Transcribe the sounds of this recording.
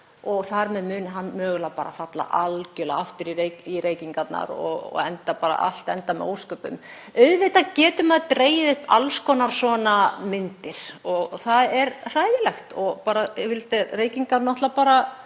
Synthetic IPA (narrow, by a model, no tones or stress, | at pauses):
ɔɣθaɾmɛðmʏːnɦanːmœːɣʏlapaːɾa̰fat̪la̰ʔalcʏlaaft̪ʏɾiɾeiɾʔeːjciŋkat̪na̰ɾɔ̰ɣɔ̰ɣɛnt̪apaːɾa̰ʔa̰l̥t̪ɛnt̪amɛ̰o̰wskœːpʏ̰m | œɥðvɪt̪acɛːt̪ʏmaðt̪ɾeːjɪðʏhpa̰lskɔnaɾ̥sɔːnamɪnt̪ɪɾ̥ɔɣθaðɛɾr̥aːjðɪlɛxt̪ɔɣpaːɾavɪlt̪ɛreːjciŋkaɾnɔht̪lapaːɾa